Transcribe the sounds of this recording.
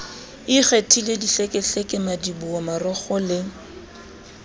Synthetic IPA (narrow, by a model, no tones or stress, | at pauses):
iχetʰilediɬekʼɪɬɛkʼɪmadibuɔmarɔχɔlɪ